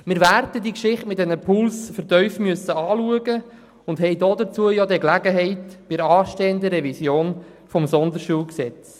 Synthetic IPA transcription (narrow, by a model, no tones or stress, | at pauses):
mɪɾvæɾdədiəkʃɪχtmɪt̚dɛnəpʰʊlsfəɾtœʏfmyəsəɑːluəɡə | ʊndɦɛɪjdoːd̪ət͡suəjɔd̪ɛklæɡəɦɛɪtb̥ɪɾɑːʃteːənd̪əɾɛvisjoːn | fɔmsɔnd̪əʃuːlksɛt͡s